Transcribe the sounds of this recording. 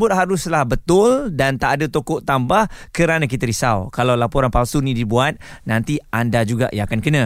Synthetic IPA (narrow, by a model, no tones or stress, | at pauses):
bʊt̪̚ɦaɾʊslahbət̪ʊldant̪aʔadət̪okɔʔt̪ambahkəɾanãkit̪aɾisawkalawlapɔɾanpalsunĩdibuat̪̚nãnt̪iandad͡ʒuɡa̰ʔjãakankənã